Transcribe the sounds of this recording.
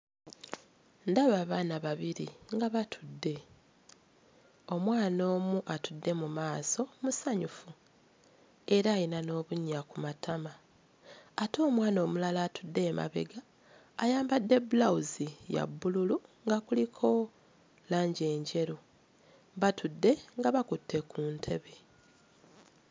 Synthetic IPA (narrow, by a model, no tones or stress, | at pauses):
ndaβaːβaːnaβaβiɾiŋɡaβatʰudːe̞ | o̞mwaːno̞ːmuʔatudːe̞mumaːso̞musaɲufu | e̞ɾaːjinano̞ːβuɲːakumatʰamaː | to̞ːmwaːno̞ːmulalaːtudːe̞ːma̰βe̞̰ɡaː | jaːmbadːe̞bulauzija̰bːululuŋɡakulikʰo̞ | laːɲɟe̞ːɲɟe̞ɾu | βatudːe̞ŋɡaβakutʰːe̞kuːntʰe̞βe̞